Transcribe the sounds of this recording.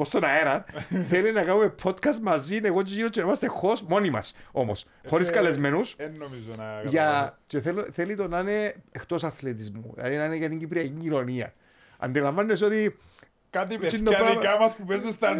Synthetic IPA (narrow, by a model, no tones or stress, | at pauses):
post̪o̞nɐeɾɐnθelinːɐkanumepʰo̞t̪kɐst̪mɐzineɣociinot͡ʃːenimɐst̪exo̞smo̞nimɐ̰so̞mo̰s | xo̞ɾiskɐle̞zme̞nusnːomizoʝɐt͡ʃeθelθelit̪o̞naneext̪o̞sɐθlet̪̬izmṵlɐ̰ðinaneʝɐt̪iɲɟipɾiɐkiɲɟino̞niɐ̰ | ɐ̰nd̪ilɐɱvɐnːeso̞t̪i | kɐt̪iind̪opɾikɐmɐspupezust̪ɐn